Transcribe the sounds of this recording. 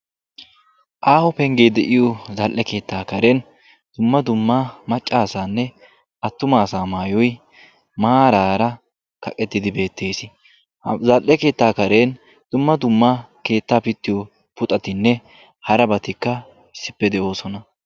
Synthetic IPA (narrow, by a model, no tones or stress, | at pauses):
ʔaːhɔpɛŋɡe̞ːd̪ɛʔɪjɔzɐlʔɛke̞ːt̪ːaːkɐɾen | d̪̥ʊmːɐd̪ʊmːaːmɐt͡ʃʼːaːsaːnːɛ | ɐt̪ːʊmaːsaːmaːjɔj | maːɾaːɾɐ | kɐkʼːɛt̪ːɪd̪ɪbe̞ːt̪ʰːe̞ːsɪ | zɐlʔɛke̞ːt̪ːaːkɐɾeːn | d̪̥ʊmːɐd̪ʊmːake̞ːt̪ːaːpɪt̪ːɪjɔ | pʊt̪ʼɐt̪ɪnːɛ | hɐɾɐbɐt̪ɪkːɐ | ɪsːɪpːɛd̪ɛʔo̞ːsɔnɐ